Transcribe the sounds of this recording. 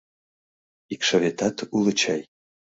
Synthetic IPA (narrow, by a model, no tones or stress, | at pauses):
ikʃavʲet̪ɑt̪ulˠət͡ɕɑj